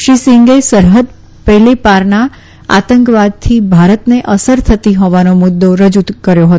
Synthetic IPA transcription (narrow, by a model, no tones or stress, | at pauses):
ʃisɪŋɡesəɾɦəd̪ | pɛɦlipaɾna | a̰t̪əŋkʋad̪̚t̪ʰibʱaɾət̪neʔəsəɾt̪ʰət̪iɦɔʋanomʊd̪ːoɾəd͡ʒut̪kəɾjoɦət̪